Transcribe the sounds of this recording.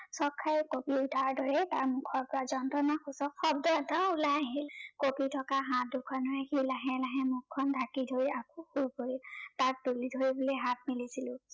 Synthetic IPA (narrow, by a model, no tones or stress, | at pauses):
sɔkʰːajkopiudʱaɹdɔɹɛtaɹmʊkʰɔɹpɹazɔntɔnaxusɔxɔb̚dɔataulajaɦilkopitʰɔkaɦãt̚dukʰɔnɔɛkilaɦɛ̃laɦɛ̃mukʰːɔndʱakidʱoɹiakuxuɹpoɹitak̚dulidʱoɹibuliɦat̚milisilʊ̃